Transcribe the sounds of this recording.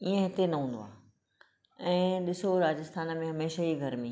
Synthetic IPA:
iẽɦɪt̪enɐɦũːn̆d̪o̰a̰ː | ɛ̃ːɗɪsoɾaːd͡ʑɪst̪ʰaːnmẽɦɐmeːʃaiɡʱɐɾmẽ

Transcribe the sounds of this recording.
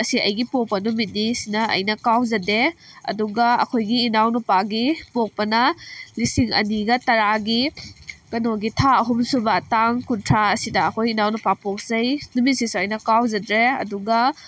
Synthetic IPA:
ɐsiɐjɡipok̚pɐnumit̚nisinɐɐ̰jnɐkawzɐdeɐ̰duɡɐɐ̰kʰojɡiːnawnupaɡipok̚pɐnɐlisiŋɐ̰niɡɐtɐɾaɡiɡ̥ɐnoɡitʰaɐɦumsubɐtaŋkuntʰɾaɐsidɐːkʰojinawnupapok̚zɐjnumit̚sisuɐjnɐkawzɐdɾeɐ̰duɡɐ

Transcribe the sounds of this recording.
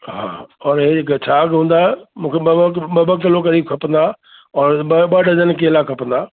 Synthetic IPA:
ɦa̰ːɔːɾɦeɪkt͡ɕʰaːkɦũːnd̪aɦɛmũːkʰeɓɐɓɐbəkəlokɐɾiːb̚kʰɐpə̃nd̪aː | ɔːɾɓɐɗəd͡ʑənkelakʰɐpə̃nd̪aː

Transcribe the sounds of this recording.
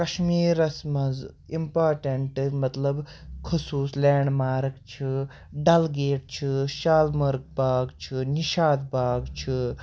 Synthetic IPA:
kɐʃmiːɾɐsmɐz | impaːɾʈɐɳʈmɐt̪lɐb | kʰusuːslɛːɳɖmaːɾɡt͡ʃʰi | ɖɐlɡeːʈ̚t͡ʃʰiʃaːlmɐɾɡ̚baːɡt͡ʃʰiniʃaːd̪baːɡt͡ʃʰi

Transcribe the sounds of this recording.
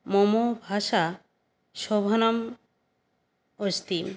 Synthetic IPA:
momobʱaʃa | ʃɔbʱonam | ost̪im

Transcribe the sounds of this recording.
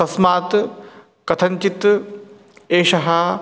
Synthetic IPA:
ɐsmaːt̪ | kɐt̪ʰɐɲt͡ʃit̪ | eːʃɐɦɐ

